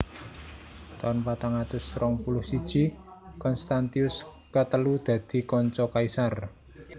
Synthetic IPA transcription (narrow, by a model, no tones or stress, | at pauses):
t̪ɔnpat̪aŋat̪ʊsɾɔŋpulʊhsid̥ʒ̥i̤ | kɔnst̪ant̪iʊs | kət̪əlud̪̥ä̤d̪̥i̤kɔɲt͡ʃɔkaisar